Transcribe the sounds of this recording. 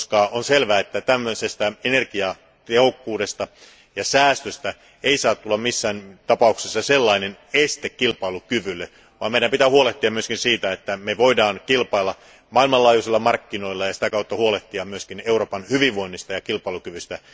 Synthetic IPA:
skɑːʔonselʋæːet̪ːæt̪æmːøsest̪æenerkiɑ | t̪ehokːuːde̞st̪ɑ | jɑsæːst̪øst̪æ | eisɑːt̪t̪ːulːɑmmisːæːnt̪ɑpɑuksesːɑselːɑinenest̪ekkilpɑilukyʋylːe | ʋɑːmeiɾæmpit̪æhuoleht̪ːiɑmmyøskinsiːt̪æet̪ːæmeʋoidɑːnkilpɑilːɑ | mɑilmɑlɑːjusilːɑmɑrkːino̞ilːɑjɑsi̥t̪ækɑut̪ːɑhuoleht̪ːiɑmyøskineuroːpɑnhyʋiʋʋoinːist̪ɑjɑkilpɑilukyʋyst̪æ

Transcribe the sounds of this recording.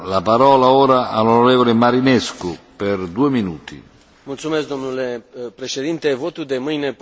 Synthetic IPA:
lapaɾɔːlaoːɾaʔalonɔɾɛːvɔlemaɾinɛskuperd̪uːeminuːt̪ḭ | mult̪sumes̬k̚d̪o̞mnulepɾeʃed̪int̪evot̪ud̪e̞mɨjne

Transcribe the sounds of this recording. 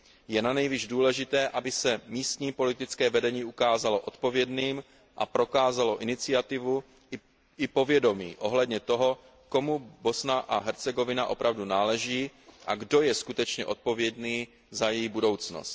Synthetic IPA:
jɛnanɛjviʒduːlɛʒɪt̪ɛːʔabɪsɛmiːst̪ɲiːpo̞lɪt̪ɪt͡skɛːvɛdɛɲiːukaːzalo̞ʔo̞t̪po̞vjɛdniːm | ʔa̰pɾo̞kaːzalo̞ʔɪnɪt͡sɪat̪ɪvu | ɪpo̞vjɛdo̞mḭːʔo̞ɦlɛdɲɛt̪o̞ɦo̞ | ko̞mubo̞snaʔaɦɛɾt͡sɛɡo̞vɪnaʔo̞pɾʔavdunaːlɛʒiːʔa̰ɡdo̞jɛskut̪ɛt͡ʃɲɛ̰ʔo̞t̪̚po̞vjɛdniː | zajɛjibudo̞wt͡sno̰st̪̚

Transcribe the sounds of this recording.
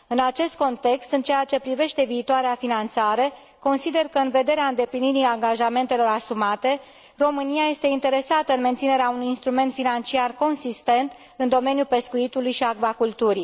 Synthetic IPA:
ɨnat͡ʃe̞st̪̚ko̞nt̪e̞kst̪ɨnt͡ʃeat͡ʃe̞pɾive̞ʃt̪e̞viːt̪oaɾeafinant̪saɾe̞ | ko̞nsid̪e̞rkəɨnve̞d̪e̞ɾeaɨnd̪e̞pliniɾiaŋɡaʒame̞nt̪e̞lo̞ɾasumat̪e̞ | ro̞mɨniaje̞st̪e̞int̪e̞ɾe̞sat̪əɨnment̪sine̞ɾeaunujinst̪ɾume̞nt̪finant͡ʃiarko̞nsist̪e̞nt̪ | ɨnd̪o̞me̞njupe̞skuit̪ulujʃiaɡvakult̪uɾi

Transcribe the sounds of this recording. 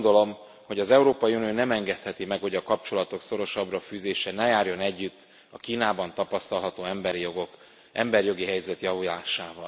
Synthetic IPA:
nd̪o̞lo̞m | ho̞ɟɒzɛuɾoːpɒjiunijoːnɛmɛŋɡɛt̪hɛt̪imɛkho̞ɟɒkɒpt͡ʃo̞lɒt̪o̞kso̞ɾo̞ʃɒbrɒfyːzeːʃɛnɛjaːrjo̞nɛɟːyt̪ː | ɒkiːnaːbɒnt̪ɒpɒst̪ɒlɦɒt̪oːɛmbɾoɡo | ʔɛmbɛrjo̞ɡiɦɛjzɛt̪jɒvulaːʃaːvɒl

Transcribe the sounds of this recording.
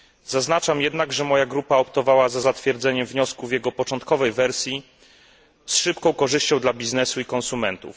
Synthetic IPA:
zaznat͡ʂamjɛd̪naɡʐɛmɔjaɡɾupaɔpt̪ɔvawazazat̪fʲjɛɾd̪zɛɲɛmvɲɔskuvjɛɡɔpɔt͡ʂɔnt̪̚kɔvɛjvɛɾsʲji | sʂɘpkɔ̃w̃kɔʐɘɕt͡ɕɔ̃w̃d̪labʲiznɛsuikɔ̃nsumɛnt̪ṵf

